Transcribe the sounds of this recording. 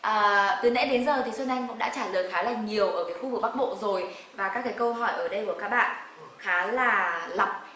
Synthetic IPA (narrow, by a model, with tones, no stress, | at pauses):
ʔəː˨˩˨t̪ɨ˨˩˦nɛ̰˧˥ɗe˨˦nzəː˨˩t̪ʰi˨˩swə˧nʔa˧jŋ̟kʊ̰˧˥ŋ͡mɗaː˧˥t͡ɕaː˧˩ləː˨˩jxaː˨˦laː˨˩ɲi˨˩əwʔəː˧˩vi˨˦jxu˧vɨ˨˩k̚ɓa˦˥k̚ɓo̰˧˨zo˨˩j | vaː˨˩kaː˦˥k̚kːaː˨˦kə˧wɦɔ˧˩jʔəː˧˩ɗə˧jku˧˩əkaː˦˥k̚ɓa̰ː˧˨n | xaː˨˦laː˨˩lə˨˩p̚